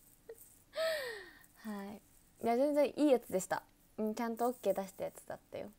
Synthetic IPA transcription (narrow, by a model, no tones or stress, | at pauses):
hai | jazẽ̞nd͡zẽ̞ʔiːjat͡sɨd̪e̞ɕi̥t̪a̰ | ɯ̃t͡ɕãnt̪o̞okːe̞ːd̪aɕi̥t̪ajat͡sɨ̥d̪a̰t̪ːa̰jo̞̰